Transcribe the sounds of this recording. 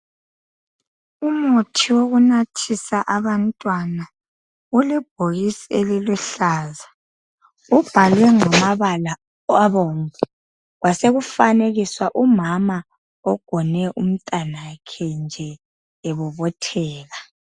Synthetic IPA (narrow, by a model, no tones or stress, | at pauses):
umotʰiwoɣunatʰisaʔaβantʼwana | ulɛb̥ʱoɣisieliluɬaːza | ub̥ʱalwɛŋɔmaβala | aβomu | ɣwaseɣufaneɣiswaʔumama | ɔɡ̥ʱɔnɛʔum̩tʼanakʰɛnd͡ʒʱɛ | eβuβɔtʰɛːɣa